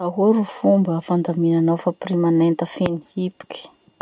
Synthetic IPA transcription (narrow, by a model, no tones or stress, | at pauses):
aɦuaɾufumbəfand̪aminanawfaprimanent̪əfenihipu̥kʲi̥